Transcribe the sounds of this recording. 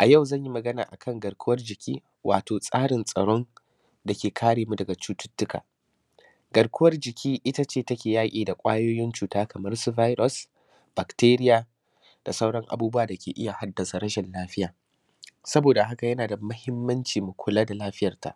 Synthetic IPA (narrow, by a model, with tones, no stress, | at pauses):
ʔa˨ja˦˨wzɐ˦˨ɲji˦mɐ˨ɡɐ˦na̰ː˨ʔa̰˨kʰɐ˦ŋɡɐ˨ɽkʷʰʊ˦wɐ˦rd͡ʒɪ˨kʲʰḭː˦ | wʔa̰ː˨toː˨sʼaː˦ɽɪ˨nsʼɐ̰˨ɽo˦n | da˨kʲeː˨kʰaː˦ɽeː˨mu˦dɐ˨ɡa˨t͡ʃuː˦tʊ̥˦tːʊ˦kʰa̰ː˨ | ɡɐ˨ɽkʰʷʊ˦wɐ˦rd͡ʒɪ˨kʲʰiː˦ʔɪ˦ta˦t͡ʃeː˦˨tɐ˦kʲeː˨jaː˦kʲʼiː˨da˨kʷʼaː˦joː˦jɪ˦nt͡ʃuː˨taː˦kɐ˨mɐ˦rsu˦vaː˦jɾɔ˦˨s | b̥a˨kteː˦ɾɪ˦jaː˨ | d̥a˨sɐ˦wɽɐ˦ŋʔa̰˨buː˦bʊ˦waː˨dɐ˨kʲḛː˨ʔɪ˦ja˨ha˦dːɐ˨sa˨ɾɐ˦ʃɛ˨nlaː˦ɸɪ˦jaː˨ | sɐ˦boː˨da˨ɦa˦ka˨jɐ˦naː˨da˨mɐ˦hɪ˦mːɐ˦nt͡ʃiː˨mu˨kʷʰʊ˨laː˦da˨laː˦ɸɪ˦jɐ˨rta̰˨ʔ